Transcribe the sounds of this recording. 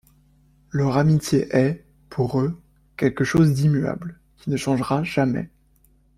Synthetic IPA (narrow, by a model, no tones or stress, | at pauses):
lœʁamit̪jeʔɛ | pʰuʁø | kʲɛlkəʃozd̪imya̰bl | kʲi̥nəʃɑ̃ʒʁaʒamɛ̰